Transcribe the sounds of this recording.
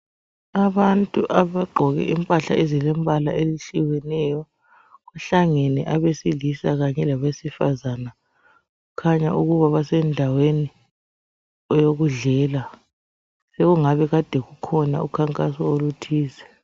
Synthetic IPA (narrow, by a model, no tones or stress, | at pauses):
aβantʼuʔaβaɡ͡ǃʱɔɣɛ̰ʔimpʼaɬa̰ʔezilɛmbʱala̰eliɬiwɛnɛjɔ | ɣaɬaŋenɛʔaβesilisaɣaɲɛlaβesifazana | ɣukʰaɲa̰ʔuɣuβaβasɛndʱaweni | ɔjoɣuɮɛːla | seɣuŋaβɛɣad̥ʱɛɣukʰɔna̰ukʰaŋkʼasɔolutʰiːzɛ